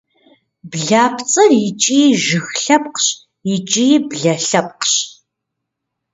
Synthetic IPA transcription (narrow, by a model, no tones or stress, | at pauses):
bɮaːpʰt͡sʼɐrjɪt͡ʃʼiːʒɨxɬɐpqɕ | jɪt͡ʃʼibɮɐɬɐp̚ʼqɕ